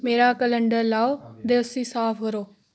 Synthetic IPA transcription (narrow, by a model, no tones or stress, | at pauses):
meːɾaːkələɳɖəɾlaːoːd̪eːʊsĩːsaːpʰkəɾoː